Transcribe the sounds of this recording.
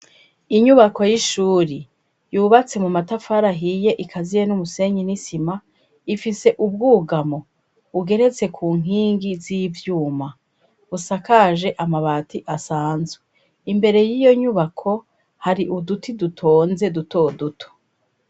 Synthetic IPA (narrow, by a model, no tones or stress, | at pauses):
iɲuβako̞jiʃuːɾi | juːβat͡se̞mumatafaɾaɦije̞ʔikʰazijenumuse̞ːɲinisima | ifise̞ʔub̚ɡuːɡamo̞ | uɡe̞ɾe̞t͡se̞kʰuːŋ̥iːŋɡiziːvjuːma | usakaʒe̞ʔamaβaːtiʔasaːnzwe | imbe̞ɾe̞jijo̞ɲuβakʰo̞ | haɾiʔudutʰidutʰo̞ːnze̞duto̞dutʰo̥